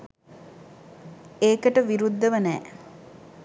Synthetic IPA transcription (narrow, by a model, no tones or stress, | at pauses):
eːkəʈəʋiɾud̪ːəʋənɛː